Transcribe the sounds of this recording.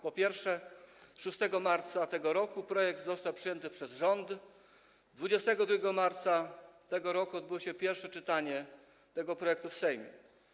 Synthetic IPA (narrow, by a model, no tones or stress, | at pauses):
pɔpʲjɛɾfʂɛʂust̪ɛɡɔmaɾt̪sat̪ɛɡɔɾɔkupɾɔjɛɡd̪zɔst̪awpʂɨjɛnt̪ɘpʂɛzʐɔnd̪ | d̪vud͡ʑɛst̪ɛɡɔd̪ɾuɡʲɛɡɔmaɾt̪sat̪ɛɡɔɾɔkuɔd̪̚bɘwɔɕɛpʲjɛɾfʂɛt͡ʂɘt̪aɲɛ | t̪ɛɡɔpɾɔjɛk̚t̪ufsɛjmʲjɛ̰